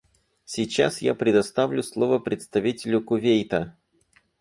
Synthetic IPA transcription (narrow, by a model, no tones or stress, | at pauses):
sʲit͡ɕːa̰sja̰pɾʲɪd̪ɐst̪avlʲʊslˠo̞vəpɾʲɪt̪st̪ɐvʲitʲɪlʲʊkʊvʲejt̪ə